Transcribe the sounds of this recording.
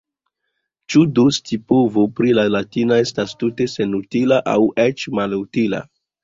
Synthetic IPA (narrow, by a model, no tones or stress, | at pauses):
t͡ʃudustʰipuvopɾilalatinoe̞stastute̞se̞nutilaʔa̰wet͡ʃmalutila̰